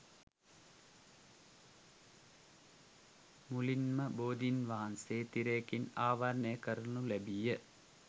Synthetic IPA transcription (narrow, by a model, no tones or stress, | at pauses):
mulinmɐboːd̪inʋaːnseːt̪iɾeːkinaːʋaɾɳeːkɐɾnulebijɐ